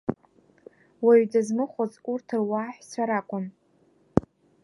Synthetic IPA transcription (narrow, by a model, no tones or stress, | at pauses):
waɥdazmɨχʷozurtʰɨrwaːħʷᶣt͡sʷʰaɾakʷʼʊn